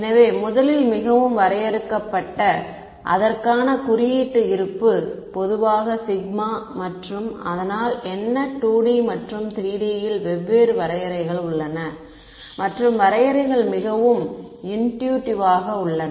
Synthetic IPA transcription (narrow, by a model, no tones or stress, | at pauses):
ɛnɐʋeːmʊðɐlɪlmɪɣɐʋɯmʋɐɾɐjɛɾɯkːɐpːɐʈːɐ | ʔɐ̰ðɐrkaːnɐkʊɾɪjiːʈːɯɪɾɯpːɯpɔðɯʋaːɣɐsɪɣ̚maːmɐʈrɯmɐðɐnaːlɛnːɐʈːuːɽimɐʈrɯmt̪ɾiːɽɪjɐjɪlʋɛʋːeːɾɯʋɐɾɐjɐɾɐɪɣɐɭʊɭːɐnɐ | mɐʈrɯmʋɐɾɐjɐɾɐɪɣɐɭmɪɣɐʋɯmɪnʈjuːʈɪʋaːɣɐʊɭːɐn